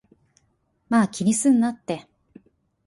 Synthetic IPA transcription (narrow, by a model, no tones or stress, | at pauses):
maːkʲiɲ̟isɨ̃nːat̪ːe̞